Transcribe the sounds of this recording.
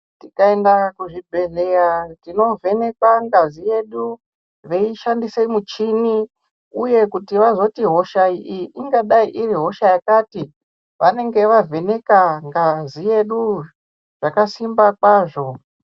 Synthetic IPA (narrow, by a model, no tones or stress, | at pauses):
tikae̞ndakuʐibʱe̞ɮeɾatino̞vʱe̞ne̞kwaŋɡazije̞ɗu | ʋeiʃandiseimut͡ʃini | uje̞kutiʋazo̞tiɦo̞ʃaiʔiʔiŋɡaɗaiʔiriɦo̞ʃajakati | ʋane̞ŋɡe̞ʋavʱe̞ne̞kaŋɡazije̞ɗu | ʐ̥akasimbakwaːʐo̞